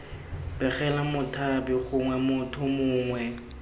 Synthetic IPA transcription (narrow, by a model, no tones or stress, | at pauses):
bɛɣɛlamʊtʰabɪχʊŋwɛmʊtʰʊmʊːŋwɛ